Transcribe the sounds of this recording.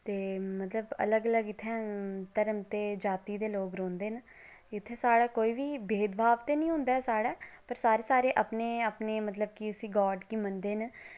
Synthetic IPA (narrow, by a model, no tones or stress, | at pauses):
t̪eːmət̪ləbə̰ləɡələɡɪt̪ʰːɛ̃ːt̪əɾəmt̪eːd͡ʒaːt̪iːd̪eːloːkɾõːnd̪eːn | ɪt̪ʰːeːsaːɽaːkoːiːʋiːbeːd̪bʱaːʋt̪eːnĩːɦʊ̃ːnd̪aːsaːɽaːpəɾsaːɾeːsaːɾeːʔəpneːapneːmət̪ləbkɪʊsiːɡɔːɖkimənd̪eːn